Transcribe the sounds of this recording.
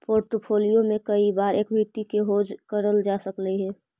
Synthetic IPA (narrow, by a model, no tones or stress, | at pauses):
poːɾʈəpʰoːlijomẽkəibaːɾeːkbʱit̪ikeɦoːd͡ʒkəɾəld͡ʒaːsəkləɦɛː